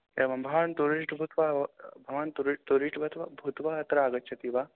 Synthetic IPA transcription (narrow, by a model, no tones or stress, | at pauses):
eʋɐmbʱɐʋant̪oɾiːʈbʱut̪ʋabʱɐʋaːnt̪uɾiʈt̪oɾiʈbɐt̪ʋɐbʱut̪ʋaɐt̪ɾaːɡɐtːt͡ʃʰɐt̪iʋa